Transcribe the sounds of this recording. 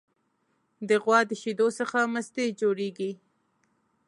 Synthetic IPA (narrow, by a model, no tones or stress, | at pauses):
d̪əɣwɑd̪əʃid̪osəxaməst̪ed͡ʒoɽeɡi